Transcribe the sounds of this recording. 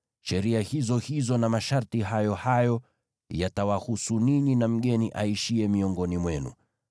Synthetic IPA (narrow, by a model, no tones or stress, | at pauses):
ʃɛɾiahizɔhizɔnamaʃaɾtiɦajɔhajɔ | jatawahusuniɲinam̩ɠɛniʔaiʃiɛmiɔŋɡɔnimwɛnṵ